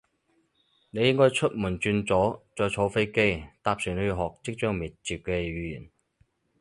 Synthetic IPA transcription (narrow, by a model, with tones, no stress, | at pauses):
ne˨˧jɪ˥ŋkɔː˥jt͡ʃʰɵ˥t̚muː˨˩nt͡ʃyː˧nt͡sɔː˨˥t͡sɔː˧jt͡sʰo˨˥wfe˥jke˥jt̪aː˧p̚syː˨˩ne˨˧jɦɔː˨˩k̚t͡sɪ˥k̚t͡ʃœː˥ŋmiː˨t̚t͡siː˨p̚kɛː˧ɥyː˨˧jḭː˨˩n